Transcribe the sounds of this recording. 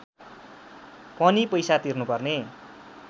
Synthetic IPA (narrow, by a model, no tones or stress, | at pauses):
pʌnipʌjsat̪irnupʌrne